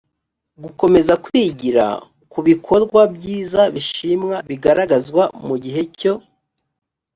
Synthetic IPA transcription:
ɡuko̞me̞zakwiɟiɾa̰ | kuβikʰo̞ɾɡwabjiːzaβiʃimŋaβiɡaɾaɡazɡwamuɟiɦe̞co̞

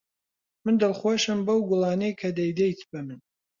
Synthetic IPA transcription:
mɨnd̪ɨlˠχwoʃɨmbɐwɡʊlˠɑːnejkʰɐd̪ɐjd̪ejt̪ʰbɐmɨn

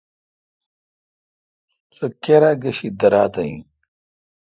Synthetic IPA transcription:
t͡sokeɾaɡɐɕid̪ɐɾaːt̪ɐḭ̃

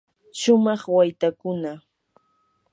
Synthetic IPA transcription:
ʃʊmɑχwajt̪akʊna

